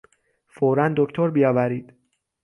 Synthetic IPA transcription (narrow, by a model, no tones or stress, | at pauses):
foɾænd̪okt̪ʰoɾbijɒːvæɾiːd̪̥